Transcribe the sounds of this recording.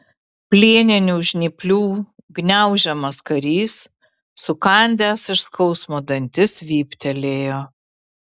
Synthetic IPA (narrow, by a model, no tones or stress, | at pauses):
pʲlʲiːnʲɪnʲuːʒʲnʲɪpʲlʲuː | ɡnʲɛˑʊʒʲɛmɐskɐɾʲiːsː | ʊkɐˑnʲd̪ʲæːsɪʃskɐʊsmoːd̪ɐnʲt̪ʲɪsʋʲiːpʲt̪ʲɛlʲeːjoː